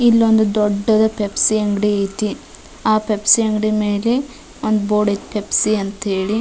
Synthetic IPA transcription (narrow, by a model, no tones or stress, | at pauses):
ilːond̪ud̪oɖːɐd̪ɐpepsiɐŋɡɽiejt̪i | aːpepsiɐŋɡɽime̞ːle | ond̪uboːɖetpepsiɐnt̪eːɭi